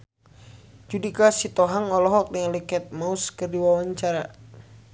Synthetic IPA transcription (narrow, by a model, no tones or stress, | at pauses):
d͡ʒudikasit̪ɔɦaŋɔlɔɦɔk̚naŋlikɛt̪̚mauskɨrdiwawaɲt͡ʃaɾa